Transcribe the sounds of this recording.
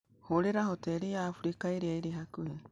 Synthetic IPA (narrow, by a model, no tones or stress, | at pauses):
hoɾeɾaɦoteɾiaːɸuɾikaiɾiajɾeɦakuhe